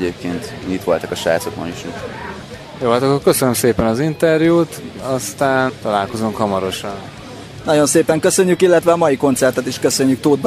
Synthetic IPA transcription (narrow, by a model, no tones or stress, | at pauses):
eːp̚keːnt̪ɲit̪ʋo̞lt̪ɒkɒʃaːt̪sot̪mo̰niʃi | joːɒlt̪okːokkøsønømseːpɛnɒzint̪ɛrjuːt̪ɒst̪aːnt̪ɒlaːlko̞zuŋkhɒmɒɾo̞ʃɒn | nɒɟo̞nseːpɛŋkøsø̞ɲːykilːɛt̪ʋɛɒmɒjiko̞nt̪sɛrt̪ɛt̪iʃkø̞sø̞ɲːyk̚t̪oːd̪̚b